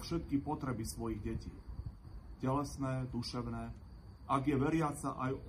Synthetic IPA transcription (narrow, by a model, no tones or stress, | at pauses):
fʃɛt̪̚kipɔt̪ɾɛbisʋɔjiɣɟɛcḭː | cɛlɛsnɛːd̪uʃɛʊnɛː | ʔaɡjɛʋɛɾɪat͡saʔaj